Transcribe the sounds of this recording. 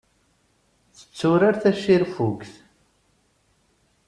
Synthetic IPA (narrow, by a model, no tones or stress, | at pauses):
θə̥t͡sːʊɾaɾθæʃiɾfukθ